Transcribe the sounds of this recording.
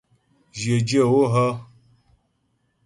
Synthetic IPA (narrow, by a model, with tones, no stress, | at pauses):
ʒje˨d͡ʒe˦˨wo˦ɦə˦